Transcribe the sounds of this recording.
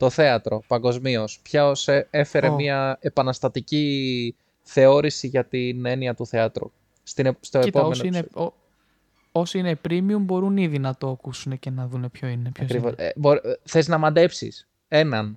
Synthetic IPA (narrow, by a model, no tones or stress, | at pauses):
t̪o̞θe̞ɐt̪ɾo̞pɐŋɡo̞zmio̞spçɐosee̞fe̞ɾemiɐe̞pɐnɐst̪ɐt̪ici | θe̞o̞ɾisiʝɐt̪ine̞niɐt̪uθe̞ɐt̪ɾṵ | st̪inst̪o̞etpeno | osinepɾimiumbo̞ɾuniðinɐt̪oɐkusunecenɐðune̞pçoineɐokɾivoboɾθe̞znɐmɐd̪e̞psḭs | e̞nɐn